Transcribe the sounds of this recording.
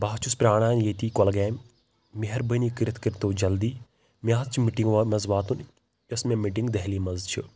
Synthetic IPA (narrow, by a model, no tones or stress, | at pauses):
baːt͡ʃʰuspɾaːɽ̃aːnjeːt̪iːkɔlɡɛːmː | iɦɐɾbəniːkiɾɪt̪ʰkiɾt̪oːd͡ʒɐld̪iː | mjaːzt͡ʃʰimiʈĩŋɡʋamɐzʋaːt̪un | jɐsmẽmiʈiŋɡd̪ɐɦliːmɐzt͡ʃʰi